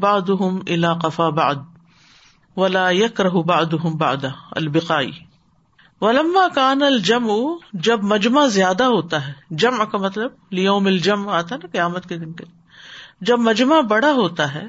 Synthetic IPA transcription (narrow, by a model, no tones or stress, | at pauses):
baʕd̪ʊɦʊmʔɪlaːqɐfaːba̰ʕd̪̚ | ʋɐlaːjɐkɾɐɦʊbaʕd̪ʊɦʊmba̰ʕd̪ɐɐ̰lbɪqaːḭː | ʋɐlɐmːaːkaːnɐld͡ʒɐmʊd͡ʒɐbmɐd͡ʒmazjaːd̪aɦoːt̪aɦɛːd͡ʒɐmʕkamɐt̪ləb̚lɪjoːmɐld͡ʒɐmʕaːt̪aɦɛnɐqɐjaːmət̪ked̪ɪnkeli | d͡ʒɐbmɐd͡ʒmabɐɽaɦoːt̪aɦɛ̰ː